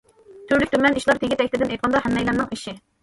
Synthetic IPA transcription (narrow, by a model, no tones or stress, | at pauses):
t̪ʰyɾlykʲt̪ʰymɛniʃlˠɑɾt̪ʰeɡʲit̪ɛkʲt̪ɪd̪ɪnej̪qʰɑnd̪ɑhɛmːɛjlæɾnɨŋiʃi